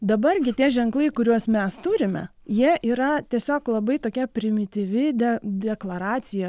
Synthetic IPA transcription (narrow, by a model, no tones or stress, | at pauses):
d̪ɐbɐrɡʲɪt̪ʲiɛʒʲɛŋklˠɐɪkʊɾʲuɔsmʲɛst̪uːɾʲɪmʲɛ̰ | jiɛʔiːɾɐt̪ʲiɛsʲoːklˠɐbɐɪt̪oːkʲɛpʲɾʲɪmʲɪt̪ʲiːʋʲɪd̪ʲɛd̪ʲɛklˠɐɾɑːt͡ssʲɪjɛ